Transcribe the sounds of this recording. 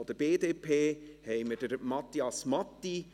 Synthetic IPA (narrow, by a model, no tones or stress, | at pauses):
ɔd̥əb̥eːdeːpʰeːhɛɪməd̥əɾmɑt̪ːiɑsmɑt̪ːi